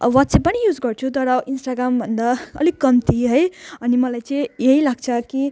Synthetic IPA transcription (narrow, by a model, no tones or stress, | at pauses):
wat̪sepːʌnijud͡zɡʌrt͡sʰut̪ʌɾʌinsʈaɡɾambʱʌnd̪aʌ̰likːʌmt̪ʰiɦʌjʌnimʌlajt͡sʌĩjeɦilaɡ̚t͡sʰʌki